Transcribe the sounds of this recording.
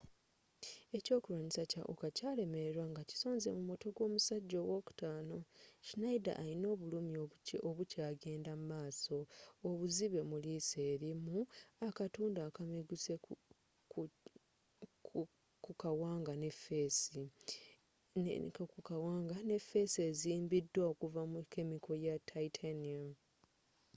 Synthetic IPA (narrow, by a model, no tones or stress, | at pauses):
e̞co̞ːkulaɲisaca̰ʔṵkacaːle̞me̞ɾeɾwaŋɡaci̥so̞ːnzemumo̞to̞ɡwo̞ːmusaɟːo̞wo̞ku̥taːno̞cinaida̰ʔːlino̞ːβulumiooβucaːɡe̞ːndamumaːso̞ːβuziβe̞mulise̞ːɾimuakatuːndakameɡuse | kukawaːŋɡanefes | kkukawaːŋɡane̞fe̞se̞ːziːmbidːwaokuvamuke̞miko̞jatʰːaitʰania